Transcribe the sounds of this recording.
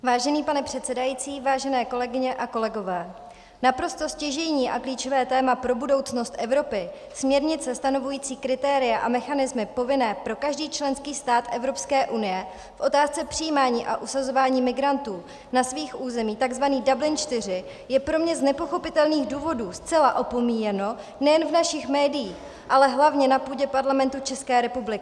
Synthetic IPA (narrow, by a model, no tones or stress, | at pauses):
vaːʒɛniːpanɛpr̥ɛt̪sɛdajiːt͡siːvaːʒɛnɛːko̞lɛɡɪɲɛʔako̞lɛɡo̞vɛː | napɾo̞st̪o̞scɛʒɛjɲiːʔakliːt͡ʃo̞vɛːt̪ɛːmapɾo̞budo̞wt͡sno̞st̪ʔɛvɾo̞pɪ | smɲɛɾɲɪt͡sɛst̪ano̞vujiːt͡siːkɾɪt̪ɛːɾɪjaʔamɛxanɪzmɪpo̞vɪnɛːpɾo̞kaʒdiːt͡ʃlɛnskiːst̪aːt̪ʔɛvɾo̞pskɛːʔunɪjɛ | fʔo̞t̪aːst͡sɛpr̝̥ɪjiːmaːɲiːʔa̰ʔusazo̞vaːɲiːmɪɡɾant̪uː | nasviːxʔuːzɛmiːt̪aɡzvaniːdablɪnt͡ʃt̪ɪr̝ɪ | jɛpɾo̞mɲɛznɛpo̞xo̞pɪt̪ɛlniːɣduːvo̞duːst͡sɛlaʔo̞po̞miːjɛno̞ | nɛjɛnvnaʃɪxmɛːdɪjiːx | ʔalɛɦlavɲɛnapuːɟɛpaɾlamɛnt̪ut͡ʃɛskɛːɾɛpublɪkɪ